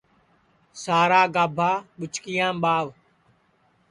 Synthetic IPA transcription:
saːɾaːɡaːbʱaːɓʊt͡ʃkɪjãːɓaːʋ

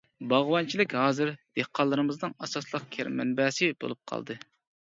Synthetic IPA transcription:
bɑʁwɑnt͡ʃʰilɪkʲɦɑːzɨɾd̪̥ehqʰɑlˠːɨɾɨmɨznɨŋɑsɑslˠəq̚kʲʰæɾmɛ̰nbɛsɪbo̰lˠup̚qʰɑ̰lˠd̪ɨ

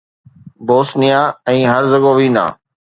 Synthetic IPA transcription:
boːsnɪjãːɛ̃ːɦəɾzəɡoːʋĩːnã̰ː

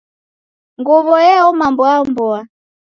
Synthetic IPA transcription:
ŋɡɔβɔjɛɔmambɔambɔa

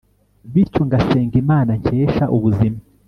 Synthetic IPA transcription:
βiɾcoŋɡaseːŋɡimaːnaɲce̞ːʃaʔuβuzima

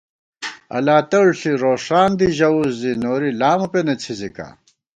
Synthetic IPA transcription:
ɐ̰laːt̪ɐɭɬiɾoːʂaːnd̪iʑɐuzd̪inoːɾilaːmupenet͡sʰizika̰

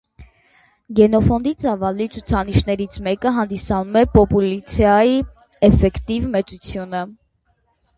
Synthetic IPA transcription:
ɡɛn̪ɔfɔnd̪it͡sɑvɑlit͡sʰut͡sʰɑniʃn̪ɛɾit͡sʰmɛkəɦɑnd̪isɑnumɛpɔpulit͡sʰjɑji | ɛfɛkt̪ivmɛt͡sut͡sʰjunə

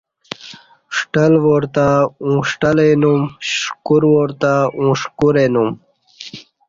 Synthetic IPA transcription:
ʂʈəlwoɾt̪aũʂʈəlenumɕkuɾwoɾt̪aũːʂkuɾenum

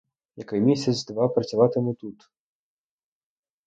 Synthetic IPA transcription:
jɐkajmʲisʲɐt͡sʲd̪ʋapɾɐt͡sʲavat̪ɨmɨt̪ut̪

